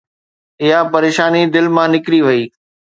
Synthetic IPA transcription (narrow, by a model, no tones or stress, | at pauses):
ɪɦapɐɾeːʃaːnid̪ɪlmãːnɪkɾiʋɐiː